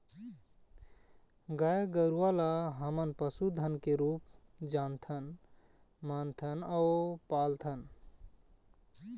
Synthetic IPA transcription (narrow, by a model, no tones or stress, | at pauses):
ɡajɡəɾualaɦəmənpəsud̪ʱənkeɾupd͡ʒant̪ʰən | mant̪ʰənaʊpalt̪ʰən